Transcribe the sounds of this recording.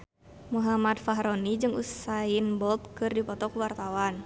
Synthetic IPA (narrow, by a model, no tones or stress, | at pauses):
muɦamat̪faɦɾɔnid͡ʒɨŋṵsainbɔlt̪̚kɨrdipɔt̪ɔkuwart̪awan